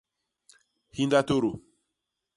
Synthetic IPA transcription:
hĩ˦nda˦to˦ɾo˨

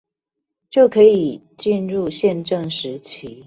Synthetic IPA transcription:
t͡ɕjo˥˩ʊkʰɤ˨˦i˨˩ | t͡ɕi˥˧nɻu˥˧˨ɕjɛ˥˧nʈ͡ʂə˥˨ŋʂɻ̩˨˦t͡ɕʰi˨˦

